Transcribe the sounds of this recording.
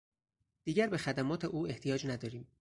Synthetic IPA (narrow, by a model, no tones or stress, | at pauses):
d̪̥iːɟæɾbe̞xæd̪æmɒːt̪ʰe̞ʔuːeht̪ʰijɒːd͡ʒnæd̪ɒːɾiːm